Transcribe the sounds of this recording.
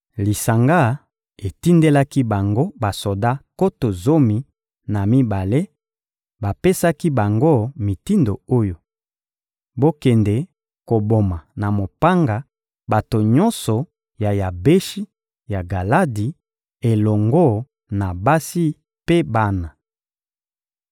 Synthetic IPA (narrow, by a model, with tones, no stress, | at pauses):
li˨sa˨ŋɡa˦˨ | e˨ti˦nde˦la˦ki˦ba˨ŋɡo˦ba˨so˨da˦ko˦to˨zo˦mi˨ | na˨mi˦ba˨le˦ | ba˨pe˦sa˦ki˦ba˨ŋɡo˦mi˨ti˦ndo̰˨o˦jo˨ | bo˦kɛ˨ndɛ˨ | ko˨bo˨ma˨na˨mo˨pa˦ŋɡa˨ | ba˨to˨ɲɔ̃˦nsɔ˨ | ja˨ja˨be˦ʃi˦ | ja˨ɡa˨la˦di˨ | e˨lɔ˨ŋɡo˦˨ | na˨ba˦si˦ | pe˦ba˦na˨